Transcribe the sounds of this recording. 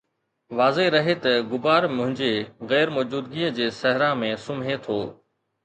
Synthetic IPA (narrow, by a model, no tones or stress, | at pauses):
ʋaːzeɾɐɦet̪ɐɡʊbaːɾmʊ̃ɦɪ̃ɲd͡ʑeːɣɛːɾmɔːd͡ʑuːd̪ɡiːəd͡ʑeːsɐɦɪɾãːmẽːsʊmɦet̪ʰoː